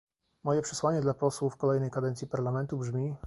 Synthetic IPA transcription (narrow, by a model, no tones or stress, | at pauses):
mɔjɛpʂɛ̥swaɲɛd̪lapɔswufkɔlɛjnɛjkad̪ɛnt̪sʲjipaɾlamɛnt̪ubʐmʲi